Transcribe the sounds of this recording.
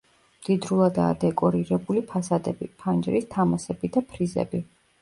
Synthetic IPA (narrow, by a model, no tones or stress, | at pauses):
md̪̥id̪ɾulˠad̪a̰ːd̪ɛkʼɔɾiɾɛbulipʰasad̪ɛbḭpʰand͡ʒɾist̪ʰamasɛbid̪apʰɾizɛ̰bi